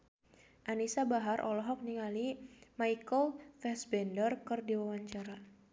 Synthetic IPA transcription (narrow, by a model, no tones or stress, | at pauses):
ʔanisabaɦaɾʔɔ̰lɔɦɔk̚niŋalimajkɔlfɛsbɛndərkɨrdiwawaɲt͡ʃaɾa